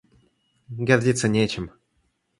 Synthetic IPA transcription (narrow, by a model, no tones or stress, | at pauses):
ɡʲardʲit̪sːənʲet͡ɕɪm